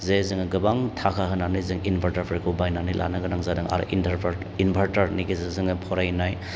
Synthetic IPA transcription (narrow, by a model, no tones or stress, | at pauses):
zezɯŋɯɡɯbaŋtʰakʰaɦɯnanɯjzɯŋinpʰaɾtaɾpʰɾikʰubajnanijlʔa̰nɯɡɯnaŋzadɯŋa̰ɾ̰ʔintʰaɾpʰɾ | inpʰaɾtaɾnikizezɯŋɯpʰɔɾajnaj